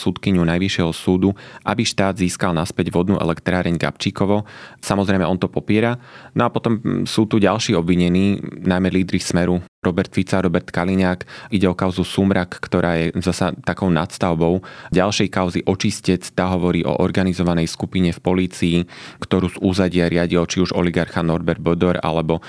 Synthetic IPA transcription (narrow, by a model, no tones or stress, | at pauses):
sut̪kiɲunajʋiʃɪɛɦɔsuːd̪uʔabiʃt̪aːd̪ziːskalnaspɛɟʋɔd̪nuʔɛ̰lɛkt̪ɾaːɾɛɲɡa̰p̚t͡ʃiːkɔʋɔsamɔzɾɛjmɛɔnt̪ɔpɔpɪɛɾanɔapɔt̪ɔmsuːt̪uɟalʃiːɔbʋiɲɛniːnajmɛliːd̪ɾixsmɛɾuɾɔbɛɾt̪fit͡saɾɔbɛɾt̪kaliɲaːkiɟɛɔkaʊzusumɾakːt̪ɔɾʔaːjɛzasat̪akɔʊna̰t̪st̪aʊbɔʊɟalˠʃɛjkaʊziʔɔt͡ʃiscɛt͡st̪aɦɔʋɔɾiːʔɔ̰ʔɔɾɡanizɔʋanɛjskupiɲɛfpɔliːt͡siikt̪ɔɾuːzuzaɟɪaɾɪaɟilt͡ʃiuʒɔ̰liɡaɾxanɔɾbɛɾd̪̚bɔd̪ɔɾa̰lɛbɔ